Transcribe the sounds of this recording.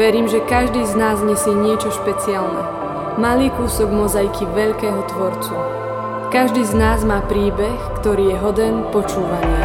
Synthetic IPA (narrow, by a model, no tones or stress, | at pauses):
ʋɛɾiːmʒɛkaʒd̪iːznaːzɲɛsiːɲɪɛt͡ʃɔʃpɛt͡sɪalnɛ̰ | maliːkuːsɔɡmɔzajkʰiʋɛʎkɛːɦɔt̪ʋɔɾt͡su | kaʒd̪iːznaːzmaːpɾiːbɛxkt̪ɔɾiːjɛɦɔd̪ɛnpɔt͡ʃuːʋaɲi